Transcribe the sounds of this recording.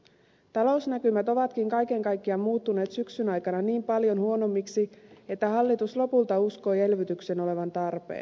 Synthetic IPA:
t̪ɑlo̞usnækymæt̪o̞ʋɑt̪kiŋkɑjke̞ŋkɑjkːiɑmmuːt̪ːune̞ːt̪syksynɑjkɑnɑniːmpɑljo̞nhuono̞mːiksie̞t̪ːæhɑlːit̪uslo̞pult̪ɑusko̞je̞lʋyt̪ykse̞no̞le̞ʋɑnt̪ɑrpḛːn

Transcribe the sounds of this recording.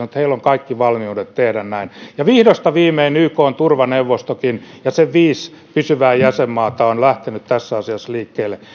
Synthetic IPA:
mut̪heilːoŋkɑikːiʋɑlmiudet̪t̪ehdænnæinjɑʋihdost̪ɑʋiːmeinyːkoːnt̪urʋɑneuʋːost̪okinjɑseʋʋiːs | pysyʋæːjæsemːɑːt̪ɑonlæht̪enyt̪t̪æsːɑsiɑsliːkːeːlːe

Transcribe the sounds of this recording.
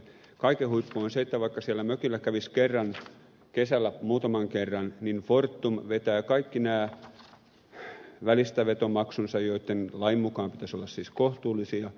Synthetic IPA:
kɑikehuipːoonseet̪ːæʋɑikːɑsiælːæmøkilːækæʋiskerːɑn | kesælːæmuːt̪ɑmɑŋkerːɑnninfort̪ːumʋet̪æːkɑikːinæː | ʋælist̪æʋet̪omɑksunsɑjoit̪ːenlɑimːukɑːmpit̪æsolːɑssiːskoht̪uːlːˑisiɑ

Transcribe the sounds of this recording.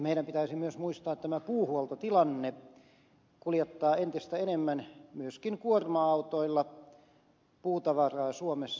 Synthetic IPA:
meiɾæmpit̪æisimyøsmuist̪ɑːet̪t̪æmæpuːhuolt̪ot̪ilɑnːe | kuljet̪ːɑːent̪ist̪æenemːænmyøskinkuormɑɑut̪oilːɑ | puːt̪ɑʋɑrɑːsuomes

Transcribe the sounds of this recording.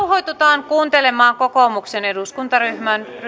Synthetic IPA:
uɦojt̪ut̪ɑːŋkuːnt̪elemɑːŋkokomukseneduskunt̪ɑryhmænr

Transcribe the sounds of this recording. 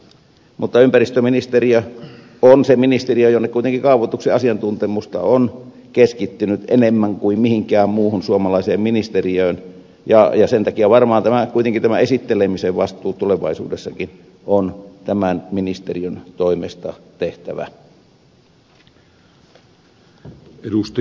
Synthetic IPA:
mut̪ːɑympærist̪øminist̪eriø | onseminist̪eriøjonːekuit̪eŋkikɑˑuʋot̪ukseɑsiɑnt̪unt̪emust̪ɑ̰on | keskit̪ːynyt̪enemːæŋkuimmihiŋkæːmmuːhunsuomɑlɑiseːmminist̪eriøːn | jɑjɑsent̪ɑkiæʋɑrmɑːnt̪æmækuit̪eŋkint̪æmæesit̪ːelemiseʋʋɑst̪ˑuːt̪uleʋɑ̰isṵːdesːɑkin | ont̪æmænminist̪eriønt̪oimḛst̪ɑ̰t̪eht̪æʋæ̰ | edust̪

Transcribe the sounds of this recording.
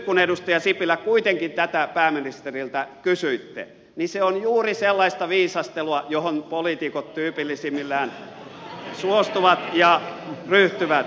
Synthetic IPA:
kːunedust̪ɑjɑsipilːˑækkuit̪eŋkint̪æt̪æpæːminist̪erilt̪ækysyit̪ːḛ | niseonjuːriselːɑist̪ɑʋiːsɑst̪eluɑjohonpolit̪ikot̪t̪yːpilːisimːilːæːn | suost̪uʋɑt̪jɑryht̪yʋæt̪

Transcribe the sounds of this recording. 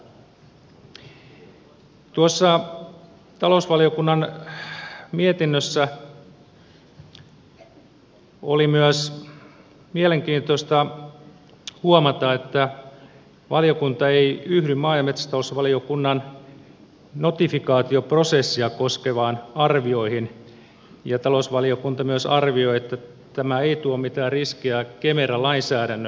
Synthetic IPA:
t̪uosːɑ | t̪ɑlousʋɑlio̞kunːɑn | miet̪inːøsːæ | o̰limyæs | mieleŋk̟iːnt̪ost̪ɑ | huomɑt̪ɑet̪ːæ | ʋɑlijokunt̪ɑeiyhɾymmɑːjɑmet̪sæ̥st̪ɑosʋɑliokunːɑn | not̪ifikɑːt̪ioprosesːiɑkoskeʋɑːnɑrʋio̞ihin | jɑt̪ɑlosʋɑliokunt̪ɑmyæsɑrʋioiet̪ːæ | t̪æmæeit̪uommit̪æːrriskiækemerɑlɑinsæːɾænːø

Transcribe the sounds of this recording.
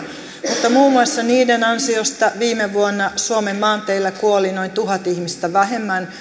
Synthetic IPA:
mut̪ːɑmuːmuɑsːɑniːdenɑnsiost̪ɑʋiːmeʋuonːɑsuomemːɑːnt̪eilːækuolinoint̪uɦɑt̪ihmist̪æʋæɦemːæn

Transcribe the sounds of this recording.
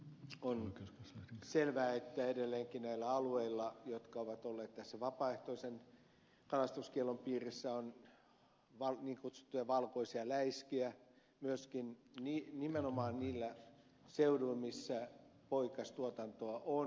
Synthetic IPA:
on | selʋæːet̪ːæedelːeːŋkinæilːæɑlueilːɑjot̪kɑoʋɑt̪olːeːt̪t̪æsːæʋɑpɑːeht̪oisen | kɑlɑst̪uskielompiːrisːæon | ʋɑlniːŋkut̪su̥t̪ːujɑʋɑlkoisiɑlæiskiæ | myøskinniːnimenomɑːnniːlːæ | seuduilmisːæpoikɑst̪uot̪ɑnt̪oɑʔon

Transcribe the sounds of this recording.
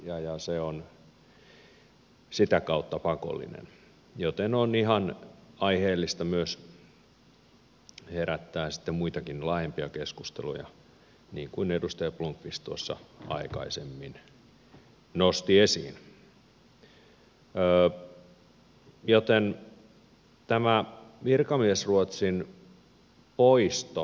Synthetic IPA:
jɑjɑseon | sit̪ækɑut̪ːɑpɑko̰lːḭnḛn | jot̪enonihɑnɑiheːlːist̪ɑmyøs | heɾæt̪ːæːsi̥t̪ːemmuit̪ɑkinlɑhempiɑkeskust̪ḛlujɑ̰ | niːŋkuinedust̪ɑjɑpluŋkʋist̪uosːɑ̰ɑ̰ikɑ̰isemːin | nost̪iesḭːn | əː | jot̪en | t̪æmæʋirkɑmiesruot̪sin | poist̪o

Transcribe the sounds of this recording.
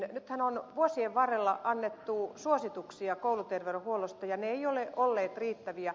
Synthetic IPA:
nyt̪hænonʋuosieʋʋɑrːelːɑʔɑnːet̪ːuːsuosit̪uksiɑkoulut̪erʋerohuolost̪ɑjɑneeioleʔolːeːt̪riːt̪ːæʋiæ

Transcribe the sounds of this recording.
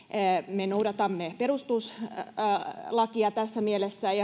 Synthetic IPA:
menoudɑt̪ɑmːeperust̪us | lɑkiɑt̪æsːæmielesːæjɑ

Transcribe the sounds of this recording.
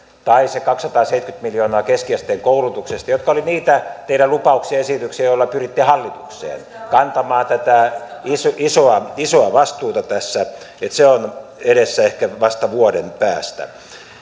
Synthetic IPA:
t̪ɑisekɑksːɑt̪ɑːseit̪kyt̪miljoːnɑːkeskiæst̪eːŋkoulut̪uksest̪ɑjot̪̚kɑoliniːt̪æt̪eiɾælupɑuksiɑesit̪yksiɑjolːɑpyrit̪ːihɑlːit̪uksḛːn | kɑnt̪ɑmɑːnt̪æt̪æisoisoɑisoɑʋɑst̪uːt̪ɑt̪æsːæ | et̪seoneɾesːæehkæʋɑst̪ɑʋuodenpæːst̪æ̰

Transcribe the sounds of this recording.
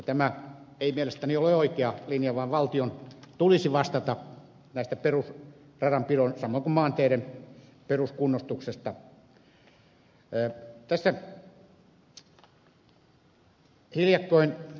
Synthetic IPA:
jɑt̪æmæeimielest̪ænioleˑoikeɑlinjɑʋɑːʋʋɑlt̪iont̪ulisiʋɑst̪ɑt̪ɑ | næˑist̪æperus | rɑrɑmpiroˑinsɑmːˑoiŋkumɑːnt̪eːɾemperuskunːost̪uksest̪ɑ | t̪æsːæ | hiljɑkːoin

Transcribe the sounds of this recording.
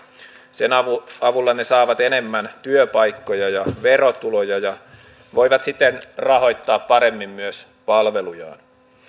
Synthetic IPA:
senɑɑʋulːɑne̞sɑːʋɑt̪ene̞mːænt̪yøpɑjkːo̞jɑjɑʋerot̪ulojɑjɑ | ʋo̞jʋɑt̪sit̪ːenrɑɦo̞jt̪ːɑːppɑɾe̞mːimmyøs | pɑlʋe̞lujɑ̰ːn

